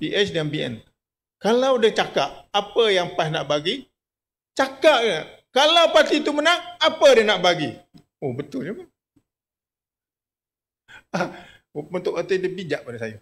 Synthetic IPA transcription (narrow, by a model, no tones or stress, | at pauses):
piʔɛt͡ʃdanbiɛ̰n | kalawdət͡ʃakap̚apəjaŋpasnaʔbaɡi | t͡ʃakaʔ̚ka | kalawpat̪it̪umənaŋapədənaʔbaɡi | ohbət̪ʊld͡ʒəma | ah | unt̪ʊʔat̪ədəbid͡ʒaʔ̚padəsaja